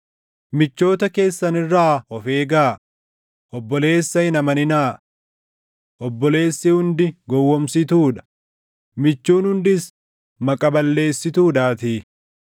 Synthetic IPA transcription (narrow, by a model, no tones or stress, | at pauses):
mɪt͡ʃːo̞ːt̪ɐke̞ːsːɐnɪrːaːɔfe̞ːɡaː | ʔɔbːɔle̞ːsːɐhɪnɐmɐnɪnaː | ʔɔbːɔle̞ːsːɪhʊnd̪ɪɡɔwːɔmsɪt̪uːᶑɐ̥ | mɪt͡ʃːuːnhʊnd̪ɪs | mɐkʼɐbɐlːe̞ːsːɪt̪uːᶑaːt̪iː